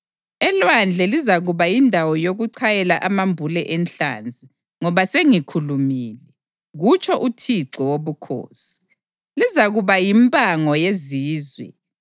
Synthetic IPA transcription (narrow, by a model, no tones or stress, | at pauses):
ɛlwand͡ɮʱɛlizaɣuβajindʱawɔjoɣuǀʰajɛlaʔamambʱulɛʔɛnɬa̰nd͡zʱi | ŋɔβaseŋikʰulumiːlɛ | ɣut͡ʃʰʼɔʔutʰiǀɔwoβukʰo̰ːsi̥ | lizaɣuβajimpʼaŋɔjeziːzwɛ̰